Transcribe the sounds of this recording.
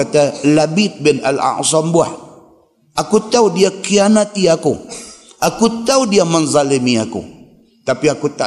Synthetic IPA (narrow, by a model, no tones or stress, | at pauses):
at̪alabit̪̚bɪna̰la̰ʔsɔmbua̰h | ʔakut̪audiakianat̪iaku | ʔakut̪audiamənzalimiakṵ | t̪apiakut̪a